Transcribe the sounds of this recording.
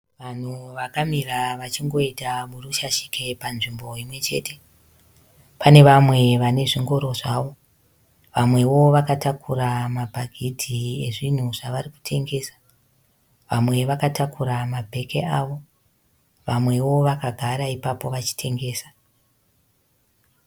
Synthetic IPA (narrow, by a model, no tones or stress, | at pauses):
ʋan̤uʋakamiraʋat͡ʃiŋɡo̞itamuruʃaʃi̥ke̞panʐimbo̞imwe̞t͡ʃe̞̰ːte̞ | pane̞ʋamwe̞ʋane̞ʐiŋɡo̞ɾo̞ʐaʋo̞ | ʋamwe̞wo̞ʋakatakuramabʱaɡʱitʰie̞ʐin̤uʐaʋariku̥tʰe̞ŋɡe̞ːsḁ | ʋamwe̞ʋakatakuɾamabʱe̞ke̞aːʋo̞ | ʋamwe̞wo̞ʋakaɡʱaɾaipapo̞ʋat͡ʃi̥tʰe̞ŋɡe̞ːsḁ